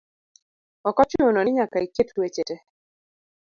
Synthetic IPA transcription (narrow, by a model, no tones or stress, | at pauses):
ɔkɔt͡ʃononɪɲakaiketlwet͡ʃete